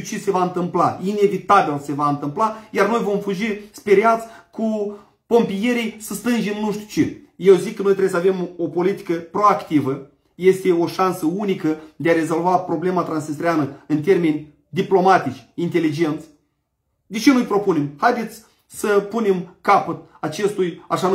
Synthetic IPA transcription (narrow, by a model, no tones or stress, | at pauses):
ut͡ʃese̞vaɨnt̪ɨmpla̰ine̞vit̪abilse̞vaɨnt̪ɨmplajarno̞jvo̞mfuʒispe̞ɾeat̪sʲku | po̞mpije̞ɾijsəst̪ɨnʒimnuʃt̪u̥t͡ʃeje̞wzikːənojt̪ɾebesave̞mo̞po̞lit̪i̥kəpɾo̞akt̪ivə | je̞st̪e̞o̞ʃansəunikəd̪eaɾe̞zo̞lvapɾo̞ble̞mat̪ɾansnist̪ɾianəɨnt̪̬e̞rme̞nʲ | d̪iplo̞mat̪it͡ʃʲint̪e̞lid͡ʒe̞nt̪sʲ | d̪et͡ʃenujpɾo̞pune̞mhajd̪e̞t̪sʲ | səpune̞mkapət̪ | at͡ʃe̞st̪ujaʃan